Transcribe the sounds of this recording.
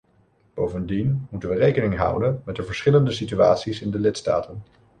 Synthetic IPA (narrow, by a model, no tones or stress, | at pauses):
b̥owvəndinmutənʋərejkənɪŋɦʌ̰wdənmɛt̚dəvəɹsχɪləndəsitya̰ːtsisɪndəlɪtsta̰ːtən